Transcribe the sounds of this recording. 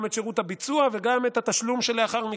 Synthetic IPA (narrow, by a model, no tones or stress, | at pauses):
metʃeʁut̪habit͡suave̞ɡamet̪hat̪aʃlumʃe̞leaχaʁmi